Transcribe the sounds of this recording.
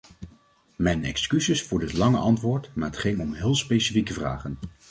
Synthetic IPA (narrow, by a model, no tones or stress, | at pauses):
mɛjnɛ̰kskyzɪsfʊːɹdɪtlɑŋə̰ʔɑntʋʊːɹtmaːɹɦətχɪŋɔmɦɪːlˠspejsifikəvra̰ːχən